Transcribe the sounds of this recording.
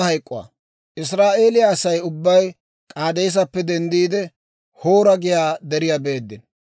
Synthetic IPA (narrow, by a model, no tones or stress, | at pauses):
hɐjkʼːʊwa̰ː | ʔɪs̬ɾaːʔe̞ːlɪjaːsɐjʊbːɐj | kʼaːd̪eːs̬ɐpːɛd̪ɛnd̪iːd̪ɛ | hoːɾɐɡɪjaːd̪ɛɾɪjabe̞ːd̪ːɪn